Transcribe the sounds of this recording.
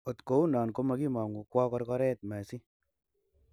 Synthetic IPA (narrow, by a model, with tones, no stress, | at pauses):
o˨tko˦u˦nɔː˨nko˧ma˧ki˦ma˨ŋu˨kwɔ˦kɔ˧ɾkɔ˧˦ɾɛ˦t̚ma˨si˦